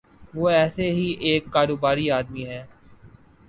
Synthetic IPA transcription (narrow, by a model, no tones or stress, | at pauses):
ʋoːɛːseɦiʔeːkːaːɾoːbaːɾiaːd̪miɦɛː